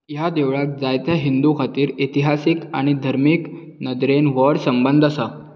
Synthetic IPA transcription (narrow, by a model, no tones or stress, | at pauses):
jad̪eʋɭat̪̚d͡zajt̪jaɦind̪ukʰat̪iːɾit̪iɦasika̰ɽ̃id̪ʱəɾmiːk | nəd̪ɾenʋəɽsəmbənd̪ʱəsa